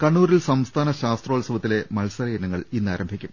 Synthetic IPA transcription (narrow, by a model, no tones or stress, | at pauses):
kɐɳːuːɾilsɐmst̪ʰaːnɐɕaːst̪roːɭsɐʋɐt̪ːile̞mɐlsɐɾeːɐnɐŋːɐɭinːa̰ːɾɐmbʱikʲːum